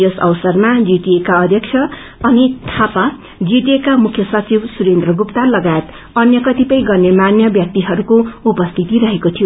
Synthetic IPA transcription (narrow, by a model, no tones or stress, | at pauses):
josʌ̰wsʌrmad͡ziʈiekaʌd̪ʱjʌk̚t͡ʃʰʌ | ʌnit̪ʰapa | d͡ziʈekamukʰjʌsʌt͡sibsuɾend̪rʌɡupt̪alʌɡaet̪ | ʌnjʌkʌt̪ipʌj̃ɡʌrnemanjʌbjʌk̚t̪iɦʌɾukoupʌst̪ʰit̪iɾʌɦekot̪ʰijo